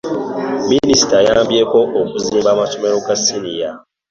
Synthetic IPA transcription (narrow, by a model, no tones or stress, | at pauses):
minisi̥tajaːmbjeko̞ʔokuziːmbaːmatomeɾokasinija